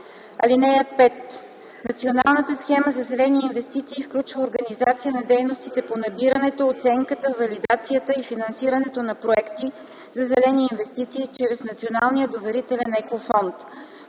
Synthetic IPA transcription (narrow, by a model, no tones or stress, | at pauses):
ɐ̰linɛjəpɛt̪ | nɐt̪siona̰lˠnət̪əsxɛməzɐzɛlɛniːnvɛst̪it̪siːfklʲut͡ʃvəoɾɡəɐnizat̪sijənɐd̪ɛjnost̪it̪ɛponɐbiɾənɛt̪oot̪sɛŋkət̪əvɐlid̪at̪sijət̪əifinɐnsiɾənɛt̪onɐpɾoɛkt̪i | zɐzɛlɛniːnvɛst̪it̪siːt͡ʃɾɛsnɐt̪sionalˠnijəd̪ovɛɾit̪ɛlɛnɛkofɔnt̪